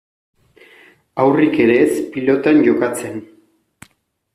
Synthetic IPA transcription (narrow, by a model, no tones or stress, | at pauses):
awrike̞ɾe̞spilo̞t̪anʝo̞kat͡se̞n